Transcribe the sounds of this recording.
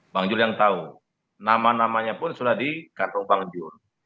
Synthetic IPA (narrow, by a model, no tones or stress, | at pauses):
baŋd͡ʒʊrjaŋt̪au | namanamaɲapʊnsudahdikant̪ʊŋbaŋd͡ʒʊr